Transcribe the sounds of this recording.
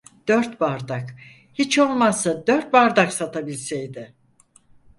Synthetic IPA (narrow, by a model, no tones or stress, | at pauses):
d̪̥øɾt̪baɾd̪ak | hit͡ʃo̞lˠmazːad̪øɾt̪̚baɾd̪aksat̪ʰabilʲsejd̪ɪ